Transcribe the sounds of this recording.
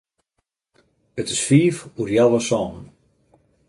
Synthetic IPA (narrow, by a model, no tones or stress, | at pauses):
ətɪ̥sfiːfurjaləsɔːn